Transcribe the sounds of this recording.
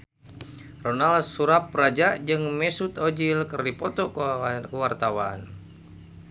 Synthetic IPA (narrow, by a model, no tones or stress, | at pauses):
ronalsuɾap̚rad͡ʒaʔd͡ʒɨŋmɛsut̪od͡ʒilkərdipɔt̪ɔkəwart̪awan